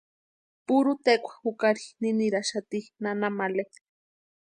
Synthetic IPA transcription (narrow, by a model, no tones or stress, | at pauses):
puɾut̪ekʷʰḁxukaɾininiɾaʃat̪inanamale